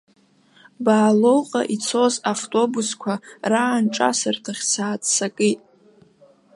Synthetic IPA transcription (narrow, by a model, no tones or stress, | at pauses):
baːlo̞wqʼa̰ʔit͡sʰo̞zaftʼo̞buskʷʰaraːnʈ͡ʂʼa̰sɨrtʰaχʲsaːt͡sʼsakʼitʼ